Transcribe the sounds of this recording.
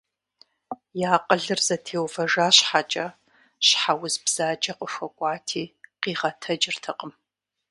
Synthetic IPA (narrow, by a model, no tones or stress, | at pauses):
jaːqʼəɮɨrzɐtʰeːwfɐʒaːɕħat͡ʃʼɐ | ɕħawʊzbz̥aːd͡ʒʼɐqʷʼəʂʷɐkʷʼɑːtʰiːqiːʁɐtʰɐd͡ʒɪrtʰɐqʼəm